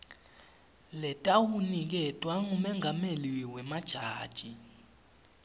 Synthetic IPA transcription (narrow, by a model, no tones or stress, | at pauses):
lɛtʼawunik̬ɛtʼwaŋumɛŋameliwɛmad̥ʒ̥ʱaːd̥ʒ̥ʱi